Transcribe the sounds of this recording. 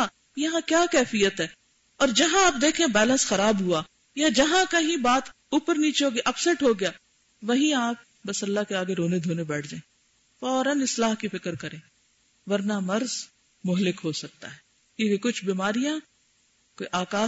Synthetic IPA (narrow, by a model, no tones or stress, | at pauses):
a | jɐɦãkjaːkɛːfijət̪ɦɛː | ɔːɾd͡ʒɐɦãaːp̚d̪eːkʰẽbɛːlə̃nsxɐɾaːbɦua | jad͡ʒɐɦãkɐɦĩbaːt̪ | uːpəɾniːt͡ʃeoɡʔɐpsəʈɦoɡɐjaː | ʋɐɦĩaːp̚ | bɐsɐlːakeaːɡeɾoːned̪ʱoːnebɛːʈʰd͡ʒaːẽ | fɔːɾənɪslaːɦkifɪkəɾkɐɾẽː | ʋɐɾnamɐɾz | mʊɦlɪkɦosɐk̚t̪a̰ɦɛː | keikʊt͡ʃʰbiːmaːɾijã | koiʔaːkaː